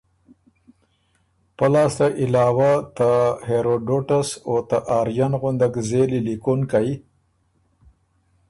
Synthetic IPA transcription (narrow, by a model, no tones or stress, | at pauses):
pəlɑːst̪aʔɪlɑːwat̪aheɾoɖoʈasot̪aʔaːɾjanɣʊnd̪akzelilikonkaj